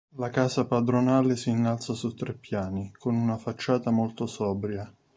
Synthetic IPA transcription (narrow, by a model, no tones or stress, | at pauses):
lakaːzapad̪ɾonaːlesiːnːalt̪sasut̪ːɾepːjaːnikonunafat͡ʃːaːt̪amolt̪osɔːbɾja